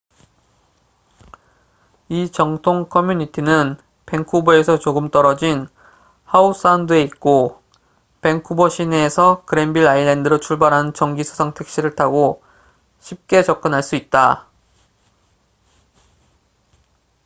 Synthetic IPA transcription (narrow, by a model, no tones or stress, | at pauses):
it͡ɕʌŋtʰoŋkʰʌmjuɲitʰinɯn | pe̞ŋkʰuboe̞sʰʌt͡ɕoɡɯmt͈ʌɾʌd͡ʑin | haus͈andɯe̞it̚k͈o | pe̞ŋkʰubʌɕʰineːsʰʌkɯɾe̞mbiɭailendɯɾot͡ɕʰuɭbaɾɦant͡ɕʌŋɡisʰo̥sʰaŋtʰe̞k̚ɕ͈iɾɯɭtʰaɡo | ɕʰip̚k͈e̞t͡ɕʌk͈ɯnɦaɭs͈uit̚t͈a